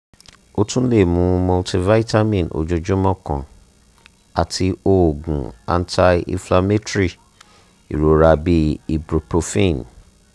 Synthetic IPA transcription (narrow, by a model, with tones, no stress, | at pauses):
o˧tũ˦le˦˨mũ˨˦mo˧lti˧va˦i˦ta˦mĩ˦˨nʔo̰˨d͡ʒo˧d͡ʒo˦mɔ̃˦kɔ̰̃˨ | a˨tʰi˧o˦˨ɡũ˨a̰˧n˦tʰa˧ḭ˧fla˧me˦tɾi˦˨ | ḭ˨ɾo˨ɾa˧bi˦i˧bɾo˨po˧fĩ˦˨n